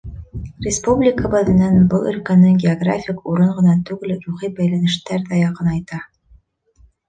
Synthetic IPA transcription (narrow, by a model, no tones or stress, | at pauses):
rʲɪspublʲɪkəbɤ̆ðɘ̆nænbɤlˠɵ̆lkænɘŋɡʲɪoɡrafʲikuɾɤɴʁɤ̆nɑt̪ʉɡlɘɾuχibæjlænɘ̆ʃt̪æɾðæjɑqɤnɑjt̪ɑ